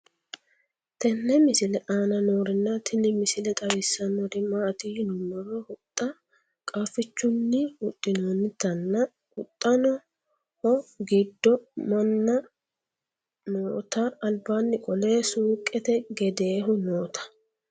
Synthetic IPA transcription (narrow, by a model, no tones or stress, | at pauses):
t̪ɛnːɛmɪsɪlɛʔaːnɐnoːɾɪnːɐt̪ɪnɪmɪsɪlɛt̪ʼɐwɪsːɐnɔd̪ɪmːat̪iːnʊnɔɾɔhʊt̪ʼːɐ | kʼaːfɪt͡ʃːʊnːɪʊt̪ʼːɪnoːnːɪt̪ɐnːɐ | ʊt̪ʼːɐnɔ | hɔɡɪd̪ːɔmɐnːɐ | noːt̪ɐːlbaːnːɪkʼɔle̞ːsuːkʼːɛt̪ɛɡɛd̪e̞ːɦʊnoːt̪ʰɐ̥